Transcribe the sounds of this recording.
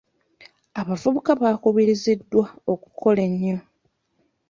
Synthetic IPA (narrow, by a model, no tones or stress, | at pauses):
aβavuβukaβakuβiɾizidːwao̞ku̥kʰo̞leɲːo